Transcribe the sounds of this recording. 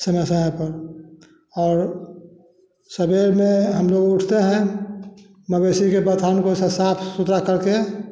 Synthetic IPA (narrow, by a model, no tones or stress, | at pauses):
səməsəɦɛ̃pəɾ | ɔːɾ | səbeɾmẽɦəmloɡʊʈʰt̪eɦɛ̃ | məbesikebət̪ʰankosesapʰsut̪ɾakəɾke